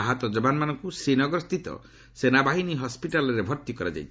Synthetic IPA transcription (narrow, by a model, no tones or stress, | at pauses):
aɦat̪ɔd͡ʒɔbanmanɔŋkusenɔɡɾɔst̪it̪ɔ̰ | senabaɦiniɦɔspiʈalɔɾebʱɔɾt̪ikɔɾad͡ʒa̰jt͡ʃʰ